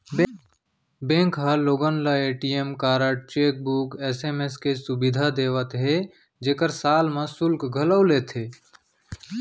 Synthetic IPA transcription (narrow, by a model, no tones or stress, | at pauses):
bẽːŋkɦəloːɡənləeːʈiemkaːɾəʈ̚t͡ʃeːk̚bukesemeskesʊbid̪ʱad̪eːwət̪ɦe | d͡ʒeːkəɾsaːlmẽsʊlkɡʱələʊlet̪ɦeː